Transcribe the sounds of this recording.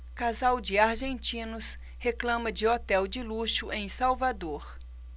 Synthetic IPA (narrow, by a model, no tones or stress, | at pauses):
kazawd͡ʒɪaɾʒẽnt͡ʃĩnʊs | heklɐ̃mɐd͡ʒɪot̪ɛwd͡ʒɪluʃʊʔẽj̃sawvad̪oɾ